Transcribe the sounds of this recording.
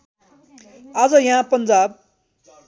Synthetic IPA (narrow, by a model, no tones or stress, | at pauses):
aːd͡zʌjaɦãpʌnd͡zaːb̚